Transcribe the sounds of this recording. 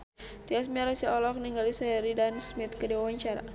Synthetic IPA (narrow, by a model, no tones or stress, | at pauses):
t̪ias̬miaɾasiɔlɔk̚niŋɡalisaaɾidansmit̪̚kədiwawaɲt͡ʃaɾa̰